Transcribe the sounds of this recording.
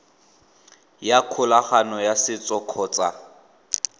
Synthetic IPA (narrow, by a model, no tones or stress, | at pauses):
jakʰʊlaχanɔjasɪt͡sʼɔkʰɔːt͡sʼa